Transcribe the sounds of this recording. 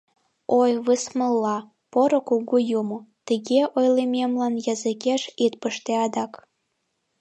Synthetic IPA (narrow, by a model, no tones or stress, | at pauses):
ojβɨsməlːɑ | poɾokuɣujumot̪əɣeʔojlememlɑnjɑzɨkeʃit̪̚pəʃt̪eɑd̪ɑk